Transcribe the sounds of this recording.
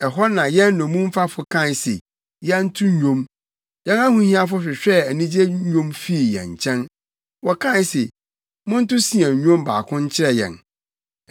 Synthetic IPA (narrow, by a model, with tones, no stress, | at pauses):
ɛ˨ɦɔ˦nã˨jɛ̃˦nː˦ɔ̃˨mũ˦m˦fa˦fʊ˨kʰã˦˨n˨sḛ˨ | jɛ˦n̩˦tʰʊ̃˦ɲᶣõ˦m | jɛ̃˦na˦hũ˨hĩ˦a˦fʊ˦ɕᶣɪ˨ɕᶣɛ˦˨æ˨nĩ˦d͡ʑe˦ɲᶣõ˦mfi˦i˨jɛ̰̃˨ɲ̩˨t͡ɕʰɛ̃˦n | wɔ˨kʰã˦se˨ | mʊ̃˦n̩˦tʊ˦sĩ˨ã˨ɲᶣõ˦mba̰ː˨kʰʊ̃˦ɲ̩˦t͡ɕʰɪ˦ɾɛ˦jɛ̰̃˨n